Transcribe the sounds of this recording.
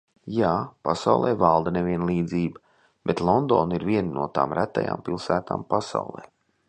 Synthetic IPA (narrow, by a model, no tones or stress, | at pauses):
jaːpasa̰wlˠɛːvalˠd̪ɐnevʲiɛnlˠiːd̪ziːbɐ | b̥et̪lˠɔnd̪oːniɾviɛnnuɔt̪a̰ːmɾʔæt̪ːa̰ja̰ːmpilˠsæːt̪a̰ːmpasa̰wlˠɛ̰ː